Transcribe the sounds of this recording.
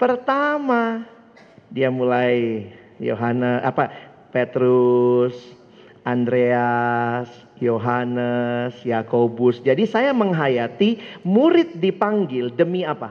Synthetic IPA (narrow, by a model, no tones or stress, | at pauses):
pərt̪ama | diamulaj | jo̰ɦanəa̰pa | pet̪ɾus | ʔandɾeas | joɦanəsjakobʊsd͡ʒadisajaməŋɦajat̪imuɾɪt̪̚dipaŋɡɪldəmiapa